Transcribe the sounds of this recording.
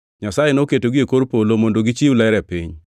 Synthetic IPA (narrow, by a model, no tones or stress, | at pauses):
ɲasajenoketoɡiekoɾpolomondoɡɪt͡ʃiwulɛɾɛpḭɲ